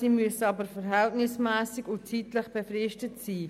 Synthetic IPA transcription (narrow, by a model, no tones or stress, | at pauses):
iːmyəsəɑbəɾfəɾɦɛltnɪsmæːsɪɡʊntt͡siːtləχb̥əfɾɪʃtətsiː